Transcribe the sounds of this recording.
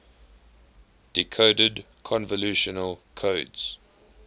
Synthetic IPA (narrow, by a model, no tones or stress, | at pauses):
d̥ɪkʰoʊdəd | kʰɔ̃nvəluʃənəlkʰoːdz̥